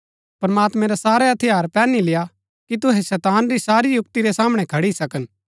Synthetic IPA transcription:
pɐɾɐmaːt̪mɛ̃ɾɛsaːɾeɐt̪ʰɪjaːɾpɛːnileja | kit̪̬ʊɦɛsɛːt̪aːnɾisaːɾijʊkt̪iɾɛsaːməɽ̃ɛ̃kʰɐɽisɐkən

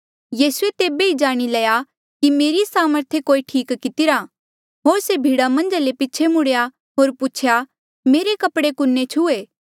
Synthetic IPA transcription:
jiːsuet̪eːbeid͡ʒaːɽ̃ilɛja | kimeːɾisaːməɾt̪ʰekoːiʈʰiːkkɪt̪ɪɾa | ɦoːɾsebʱiːɽamɐ̃nd͡ʒalepɪt͡ʃʰemʊɽja | ɦoːɾpʊt͡ʃʰja | meːɾekɐpɽekʊnːet͡ʃʰueː

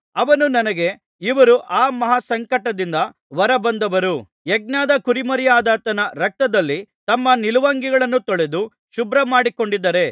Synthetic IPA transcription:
ɐʋɐnunɐnɐɡe̞ | iʋɐɾuʔaːmɐɦasɐŋkɐʈɐd̪ind̪ɐ | ʋɐɾɐbɐnd̪ɐʋɐɾu | jeɡ̚naːd̪ɐkuɾimɐɾijaːd̪aːt̪ɐnɐɾɐk̚t̪ɐd̪ɐlːit̪ɐmːɐniluʋaːŋɡiɡɐɭɐnːut̪oɭe̞d̪u | ʃubɾɐmaːɽiko̞ɳɖid̪ːɐɾe̞

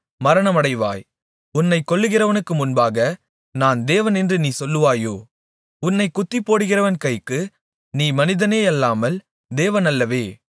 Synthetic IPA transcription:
mɐɾɐɳɐmɐɽɐɪʋa̰ːj | ʊnːɐɪkːɔɭːɯɣɪrɐʋɐnɯkːɯmʊnbaːɣɐ | naːnd̪eːʋɐnɛndrɯniːsɔlːɯʋaːjoː | ʊnːɐɪkːʊt̪ːɪpːoːɽɯɣɪrɐʋɐnkɐɪjkːɯ | niːmɐnɪðɐneːɐlːaːmɐl | d̪eːʋɐnɐlːɐʋeː

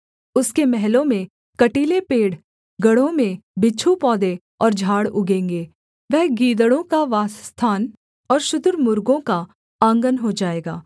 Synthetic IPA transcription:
ʊskemɛɦlõmẽ | kɐʈiːlepeːɽ | ɡɐɽõmẽbɪt͡ʃʰupɔːd̪e | ɔːɾd͡ʒʱaːɽʊɡẽːŋɡeː | ʋɛɦɡiːd̪əɽõkaʋaːsst̪ʰaːn | ɔːɾʃʊd̪ʊɾmʊɾɡõka | ãːŋɡənɦod͡ʒaːeːɡaː

